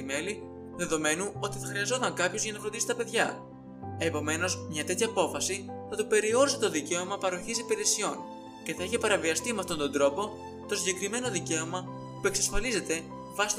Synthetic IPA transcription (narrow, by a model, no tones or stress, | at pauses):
ime̞li | ðe̞ðo̞me̞nuo̞t̪iθɐxɾiɐzo̞t̪ɐŋkɐpço̞zʝɐnɐfɾond̪isi̥t̪ɐpe̞ðʝɐ | epo̞me̞no̞zmɲɐt̪e̞t̪çɐːpo̞fɐsiθɐt̪ope̞ɾio̞ɾiset̪o̞ðice̞omɐpɐɾo̞çisipeɾesio̞n | ce̞θɐiçepɐɾɐviɐst̪imeɐft̪o̞nd̪o̞nd̪ɾo̞po̞ | t̪o̞siɟe̞kɾime̞no̞ðice̞omɐ | pue̞ksɐsfɐlize̞t̪e̞ | vɐsi